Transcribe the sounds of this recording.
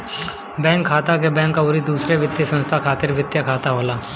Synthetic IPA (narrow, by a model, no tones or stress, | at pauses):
bɛ̃ːŋkʰːaːt̪akebɛ̃ːŋkaoːɾid̪uːsɾeʋɪt̪jəsə̃nst̪ʰakʰaːt̪ɪɾʋɪt̪jakʰaːt̪aɦoːlaː